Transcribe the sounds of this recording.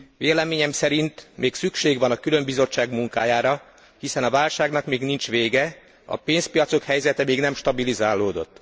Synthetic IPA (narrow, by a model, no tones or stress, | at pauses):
veːlɛmeːɲɛmsɛɾint̪meːksykʃeːɡʋɒnɒkylø̞mbizo̞t͡ʃːaːɡmuŋkaːjaːɾɒ | hisɛnɒvaːlʃaːɡnɒkmeːɡnint͡ʃʋeːɡɛ | ɒ̰peːnspijɒt̪so̞khɛjzɛt̪ɛmeːɡnɛmʃt̪ɒbilizaːlːoːd̪o̞̰t̪ː